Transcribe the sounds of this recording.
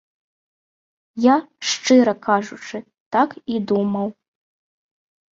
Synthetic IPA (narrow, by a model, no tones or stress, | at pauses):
jaʂt͡ʂɨɾɐkʰaʐut͡ʂɨ | t̪akid̪umɐw